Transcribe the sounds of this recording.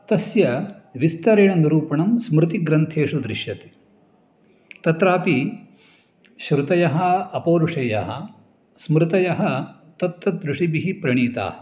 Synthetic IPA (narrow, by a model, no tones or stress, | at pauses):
t̪ɐsjɐʋist̪ɐɾeːɳɐnɐɾuːpɐɳɐmsmɾɪt̪iɡɾɐnt̪ʰeːʂud̪ɾɪʃjɐt̪i̥ | t̪ɐt̪ɾaːpi | ʃɾɪt̪ɐjɐɦɐ̆ɐpoːɾuʂɐjɐɦɐ̆ | smɾɪt̪ɐjɐɦɐ̆ | t̪ɐt̪ːɐd̪ɾuʂibiɦipɾɐɳiːt̪a̰ːhɐ